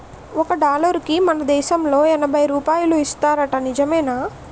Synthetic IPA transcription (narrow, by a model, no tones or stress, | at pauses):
ɔkɐɖaːlɐɾkimɐnɐd̪ɛːʃɐmlo̞ːɛnɐbʱɐjɾuːpaːjuluist̪aːɾɐʈɐnid͡ʒɐmɛːnaː